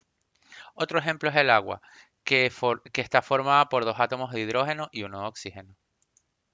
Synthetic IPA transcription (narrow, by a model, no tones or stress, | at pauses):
o̞t̪ɾo̞exe̞mploese̞laɣwa̰ | keːst̪afo̞ɾmaðapo̞ɾð̞o̞sat̪o̞mo̞zðiðɾo̞xe̞noʔiunooksixe̞no